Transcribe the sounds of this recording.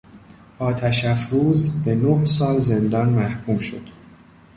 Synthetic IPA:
ʔɒːt̪ʰæʃæfɾuːzbe̞nohsɒːlze̞nd̪ɒːnmæhkʰuːmʃo̞̰d̪̥

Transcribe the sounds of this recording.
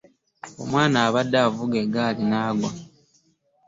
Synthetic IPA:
o̰mwaːnaːβadːavuɡeɡaːlinaːɡwa

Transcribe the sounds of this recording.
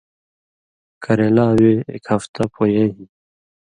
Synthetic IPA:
kʰɐɾeːlaːweḛkhɐft̪ɐpojeɦi

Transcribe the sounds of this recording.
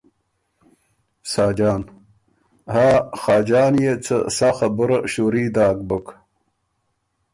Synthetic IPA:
saːd͡ʑaːn | haːxaːd͡ʑaːnjet͡sə̰saxɐbuɾɐɕuɾiːd̪aːk̚bək

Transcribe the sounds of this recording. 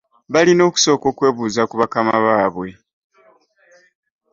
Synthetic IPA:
βalino̞ːku̥so̞ːko̞ːkwe̞ːβuːzakuβakamaβaːβwe̞

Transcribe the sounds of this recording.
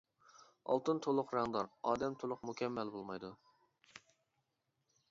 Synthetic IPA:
ɑ̰lˠt̪ɨnt̪ʰolˠʊqɾɑŋd̪ɑɾɑːd̪ɛmt̪ʰolˠʊqmukʲɛmːɛlbolˠmɑjd̪u

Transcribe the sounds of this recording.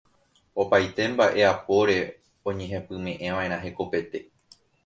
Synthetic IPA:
o̞pajt̪e̞mbaʔe̞apo̞ɾe̞ | õ̞ɲẽ̞ɦẽ̞pɨ̃mẽ̞ʔẽ̞ʋãẽɾãɦe̞ko̞pe̞t̪e̞

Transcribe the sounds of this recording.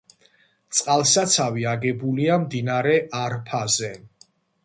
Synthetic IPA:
t̪sʼqʼalˠsat̪sʰaviaɡɛbuliamd̪inaɾɛʔaɾpʰazɛ

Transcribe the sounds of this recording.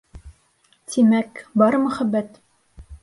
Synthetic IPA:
t̪ʰimækbɒɾɤmɵ̆χæbːæt̪

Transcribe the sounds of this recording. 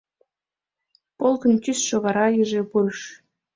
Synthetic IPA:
polˠkɤ̆nt̪ʲysʃŏɣɑɾɑjiʒepuɾʃ

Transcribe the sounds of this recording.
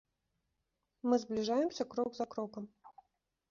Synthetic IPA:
mɨzblʲiʐajɛmsʲɐkɾɔɡzɐkɾɔkɐm

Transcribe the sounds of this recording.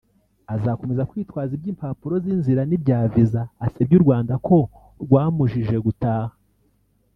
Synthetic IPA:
azako̞me̞zakwiːtwaːzibjiːmpapuɾo̞zinziɾanibɟaːvizaːseb̚ɟuɾɡwaːndakʰo̞ | ɾɡwaːmuʒiʒe̞ɡutaːhḁ

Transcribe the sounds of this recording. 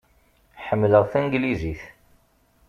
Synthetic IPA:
ħəmːləʁθænɡliziθ

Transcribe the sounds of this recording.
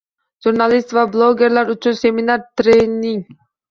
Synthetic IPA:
ʒuɾnalʲˠist̪vablˠoɡʲeɾlʲaɾut͡ʃʰunseminaɾt̪ɾeniŋ

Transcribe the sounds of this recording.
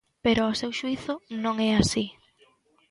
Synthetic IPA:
peɾʊɔsewʃuiθʊnõŋɛasi

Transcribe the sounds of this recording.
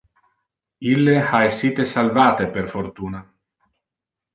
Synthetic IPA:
ilːeaesiːt̪esalvaːt̪eperfort̪uːna

